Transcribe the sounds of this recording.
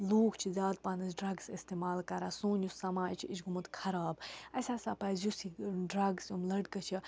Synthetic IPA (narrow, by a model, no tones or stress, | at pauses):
loːkʰt͡ʃʰizʲaːd̪̚paːnɐzɖɾɐɡsist̪eːmaːlkɐɾaːsoːnjusɐmaːjt͡ʃʰiit͡ʃʰɡumɐt̪kʰɐɾaːbɐsʲaːsaːpɐːzjusiɖɾɐɡsumlɐɖkɐt͡ʃʰi